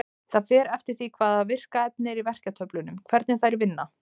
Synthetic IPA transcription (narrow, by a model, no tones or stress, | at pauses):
θaðfɛːɾɛft̪ɪɾ̥θikʰvaːðavɪr̥kaɛp̚nɪɾivɛr̥cat̪ʰœplʏnʏmkʰvɛɾt̪nɪθajɾvɪnːa